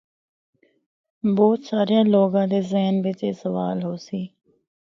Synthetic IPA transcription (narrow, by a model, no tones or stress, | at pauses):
bɔːt̪saːɾijãːloːɡãːd̪eːzɛɦnʋɪt͡ʃeːsəʋaːlɦoːsiː